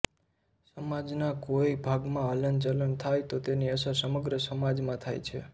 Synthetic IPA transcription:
səmad͡ʒnakoibʱaɡmãələnt͡ʃələnt̪ʰajt̪ot̪eniəsasəməɡɾəsəmad͡ʒmãt̪ʰajt͡ʃʰḛ

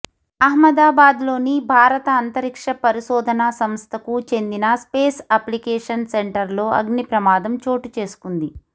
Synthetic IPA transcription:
ɐɦmɐd̪aːbaːd̪lo̞ːnibʱaːɾɐt̪ɐːnt̪ɐɾikʂɐpɐɾiʃɔːd̪ʱɐnasɐmst̪ʰɐkut͡ʃe̞nd̪inɐspeːsɐplikeːʂɐnseɳʈɐɾlo̞ːɐ̰ɡnipɾɐmaːd̪ɐmt͡ʃo̞ːʈut͡ʃe̞ːsu̥kund̪i

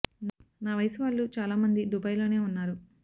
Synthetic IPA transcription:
naːʋɐjsɐʋaːlːut͡ʃaːlaːmɐnd̪id̪ubɐjlo̞ːne̞ːunːaːɾu

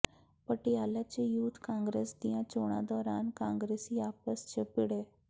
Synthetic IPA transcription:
pəʈijalat͡ɕejuːt̪ʰkãːŋɡɾeːsd̪ijãt͡ɕoːɽ̃ã̰d̪ɔːɾaːnkãŋɡɾesiaːpəst͡ɕʰəpiɽe

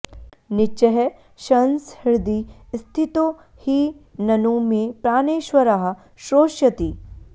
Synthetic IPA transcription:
nɪt͡ʃɐɦɛ | ʃɐnshɪɾd̪iːst̪ʰit̪o | hinɐnuːmẽpɾaːneːʃʋɐɾaːɦ | ʃɾoːʃjɐt̪iː

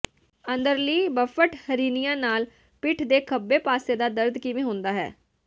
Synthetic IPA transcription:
ənd̪əɾliːbəfʰəʈhəɾiːnijãːnaːl | pɪʈʰd̪eːkʰəbːeːpaːseːd̪aːd̪əɾd̪kɪʋẽːɦʊ̃nd̪aːɦɛ̰ː

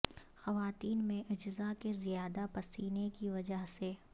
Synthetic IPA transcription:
xɐʋaːt̪iːnmẽʔɐd͡ʒzakezijaːd̪apɐsiːnekiʋɐd͡ʒəɦse

